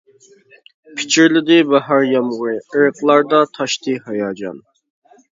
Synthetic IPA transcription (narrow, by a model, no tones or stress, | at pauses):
pʰɪ̥t͡ʃʰɪɾlɪd̪ɪbɑɦɑɾjɑmʁʊɾɨəɾəqlˠɑɾd̪ɑt̪ʰɑʃt̪ɨɦɑjɑːd͡ʒɑ̰n